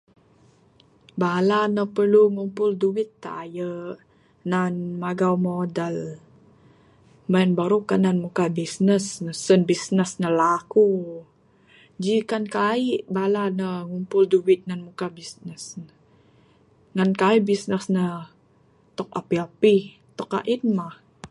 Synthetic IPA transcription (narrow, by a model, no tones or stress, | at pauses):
balanəpərluŋumpʊlduwɪt̪ːa̰ːjə | nanmaɡawmodal | manbaɾukananmukabisnəsnəsənbisnəsnəlaku | d͡ʒikankaiʔbalanəŋumpʊlduwit̪̚nanmukabisnəsn | ŋankaiʔbisnəsnə | t̪ɔk̚apiapi | t̪ɔka̰ʔinmah